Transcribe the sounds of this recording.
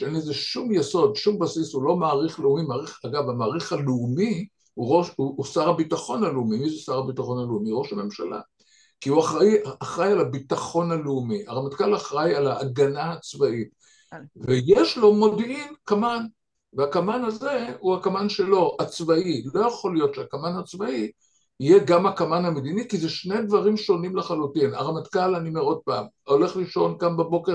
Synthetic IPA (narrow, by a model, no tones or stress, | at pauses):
ʃeenlezeʃumjeso̞d̪ʃumbasishulo̞maːʁiχleumimaːʁiχaɡavamaːʁiχaleumi | huʁoʃuːsaʁabitaχo̞naleumimiʃusaʁabitaχo̞naleumiʁo̞ʃhame̞mʃa̰la̰ | kiuaχajaaχʁajalabitaχo̞naleumiaʁamatkalaχʁajalaːɡanaat͡svaʔit | vejeʃlo̞mo̞dinkaman | veakamanaze̞uhakamanʃelo̞ʔat͡svailo̞jaχo̞ljo̞tʃeakamanhat͡svai | ijeɡamakamanhamed̪inikizeʃne̞jdvaʁimʃo̞nimleχalutina̰ʁamat̪kalanimeo̞d̚paːm | o̞le̞χliʃo̞nkambabo̞ke